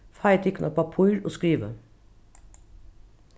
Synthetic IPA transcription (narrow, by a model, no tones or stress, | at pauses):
fɑɪt̪ʰɪknɑpɑpʰʊʏlo̰ːskɹiːʋə